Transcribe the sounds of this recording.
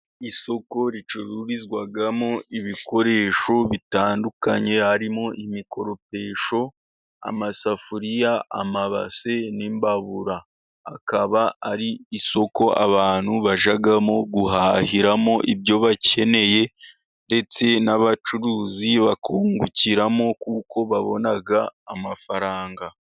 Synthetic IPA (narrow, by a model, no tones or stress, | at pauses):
iso̞ko̞ɾit͡ʃuɾuɾizɡwaɡamo̞iβiko̞ɾe̞ʃo̞βitaːndukaɲe̞haɾimo̞ʔimiko̞ɾo̞pe̞ːʃo̞ | a̰masafuɾija̰ːmaβa̰se̞nimbaβuɾaː | kaβaaɾiːso̞ko̞ʔa̰βaːn̥huβaʒaɡamo̞ɡuhahiɾamo̞ʔibjo̞βacʰe̞ne̞je̞ | nde̞t͡se̞naβat͡ʃuɾuːziβakuːŋɡuciɾamo̞kuːko̞βaβo̞̰naɡaːmafaɾaːŋɡa